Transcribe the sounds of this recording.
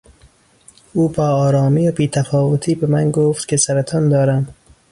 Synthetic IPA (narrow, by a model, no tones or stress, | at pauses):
uːbɒːɒːɾɒːmiːobiːt̪ʰæfɒːvot̪ʰiːbemænɡoft̪kʲʰesæɾet̪ʰɒnd̪ɒːɾæm